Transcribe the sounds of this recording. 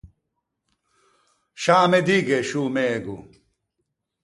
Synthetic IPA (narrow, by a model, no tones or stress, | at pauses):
ɕaːmed̪iːɡeɕuːmeɡṵ